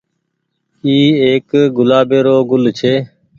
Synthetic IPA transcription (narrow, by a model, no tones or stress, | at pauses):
iːeːkɡʊlaːbeːɾoːɡʊlt͡ʃʰeː